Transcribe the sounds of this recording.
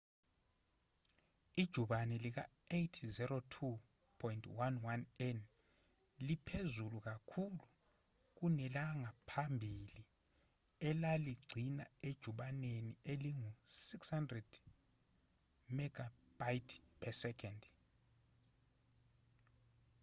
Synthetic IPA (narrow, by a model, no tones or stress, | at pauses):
id̥ʒ̥ʱuɓanɛlik̬aejtʰzɛɾotʰu | pʰɔjintʰʼwanwanɛn | lipʰezuluk̬akʰulu | k̬unɛlaŋapʰambʱili | ɛlaliɡ͡ǀʱina̰ed̥ʒ̥ʱuɓanenieliŋusikshandrɛd̥ | mɛɡ̥ʱa | b̥ajtʰpʰɛsɛkʰɔnd